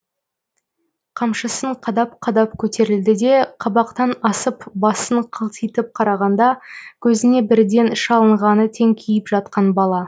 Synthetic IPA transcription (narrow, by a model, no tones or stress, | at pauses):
qʰɑmʃəsəɴqʰɑd̪ɑp̚qʰɑd̪ɑp̚kʲʰɵt̪e̞ɾɪld̪ɪd̪e̞qʰɑbɑqt̪ɑnɑsəpbɑsəɴqʰəlˠt̪ʰijt̪əp̚qʰɑɾɑʁɑnd̪ɑkʲʰɵzɪne̞bɪɾd̪e̞nɪʃɑlˠəɴʁɑnət̪ʰe̞ŋkʲʰijɪpʒɑt̪̚qɑnbɑlˠɑ